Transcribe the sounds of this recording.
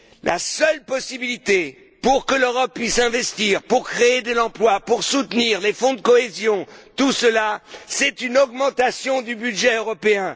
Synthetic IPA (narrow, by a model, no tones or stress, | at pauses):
lʔa̰sœlpɔsibilit̪e | puʁkəløʁɔpːɥisɛ̃vɛst̪iʁpuʁkχeed̪əlɑ̃plwapuʁsut̪niːʁlefɔ̃d̪əkɔezjɔ̃t̪usəlasɛt̪ynɔɡmɑ̃t̪asjɔ̃d̪ybyd̪ʒɛøʁɔpeɛ̃